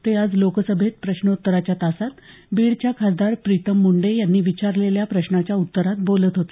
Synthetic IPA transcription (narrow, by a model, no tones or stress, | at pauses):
t̪ead͡zlokəsəbʱet̪̚pɾəɕnəut̪ːəɾat͡ɕjat̪asat̪biːɽt͡ɕjakʰasd̪aɾpɾit̪əmːuɳɖejanːiːʋit͡ɕaɾleljapɾəɕnat͡ɕjaut̪ːəɾat̪̚bolət̪ɦot̪e̥